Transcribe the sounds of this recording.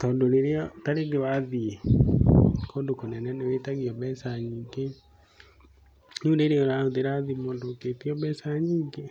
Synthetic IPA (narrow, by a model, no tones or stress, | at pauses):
tɔːndoɾeɾeɔtaɾeɡewaðie | kondokonɛnɛnewetaɣiɔβɛsaɲiːŋɡe | nuːndeɾeoɾaoðeɾaðimondoketiɔβɛsaɲiːŋɡe